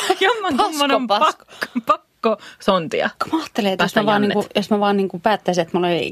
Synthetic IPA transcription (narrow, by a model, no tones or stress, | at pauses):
jomːonɑmsːonompɑɑkːpɑkːosont̪ḭɑ̰ko̥mæɑːt̪ːeleːt̪josmæʋɑːniːŋkujosmæʋɑːnniŋkupæːt̪ːæiset̪muleḛḭ